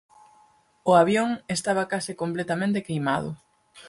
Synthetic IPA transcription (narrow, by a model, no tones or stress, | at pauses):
ʊaβjoŋest̪aβ̞ɐkasɪkomplet̪amẽnt̪ɪkejmað̞ʊ̰